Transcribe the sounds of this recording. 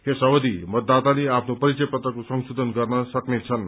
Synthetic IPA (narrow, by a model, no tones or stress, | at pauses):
hesʌwʌd̪imʌt̪ːat̪aleapʰnopʌɾit͡sʌjpʌt̪rʌkosʌŋsud̪ʱʌnɡʌrnʌsʌknet͡sʰʌn